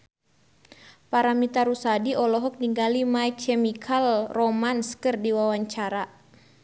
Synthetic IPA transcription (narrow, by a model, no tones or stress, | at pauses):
paɾamit̪aɾusadiɔlɔɦɔk̚niŋɡalimait͡ʃɛmikʰalromanskɨrdiwawaɲt͡ʃaɾa